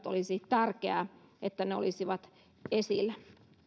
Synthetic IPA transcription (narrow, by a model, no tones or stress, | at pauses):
t̪o̰lisit̪ærkeæ̰et̪ːæneo̰lisiʋɑt̪ | esilːæ